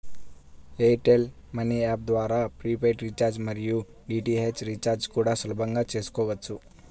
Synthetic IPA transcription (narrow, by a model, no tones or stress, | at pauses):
eːʈel | mɐniaːp̚d̪ʋaːɾaːpɾiːp̬eːʈɾit͡ʃaːɾd͡ʒmɐɾijuɖiːʈiɦeːt͡ʃɾit͡ʃaːɾd͡ʒkuːɽaːsɐlɐbʱɐŋɡaːt͡ʃeːsu̥kɔːʋɐːsu